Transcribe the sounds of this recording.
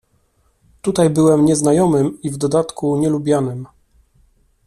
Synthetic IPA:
t̪ut̪ajbɘwɛmɲɛznajɔmɘmivd̪ɔd̪at̪kuɲɛlubʲjanɘm

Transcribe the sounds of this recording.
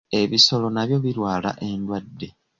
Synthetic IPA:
e̞βiso̞lo̞naβjo̞βiɾwaːla̰ʔe̞ndwadːe̞

